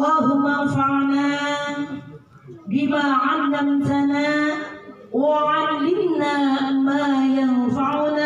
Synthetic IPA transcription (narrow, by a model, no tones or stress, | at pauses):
ʔlˤːɑːɦʊmːaanfaʕnaː | ɡɪbaːʕalːamt̪anaː | waʕalːɪmnaːmaːjanfaʕʊnaː